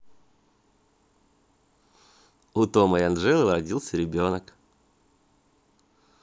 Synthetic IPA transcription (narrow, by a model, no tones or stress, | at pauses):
ʊt̪oməjɐnʐɛlˠəɾɐdʲilˠsʲəɾʲɪbʲo̞nək